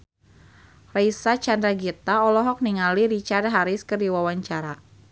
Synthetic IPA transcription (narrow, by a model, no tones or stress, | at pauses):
raisat͡ʃandɾaɡit̪aɔlɔɦɔk̚niŋaliɾit͡ʃard̪ɦaɾɪskərdiwawaɲt͡ʃaɾa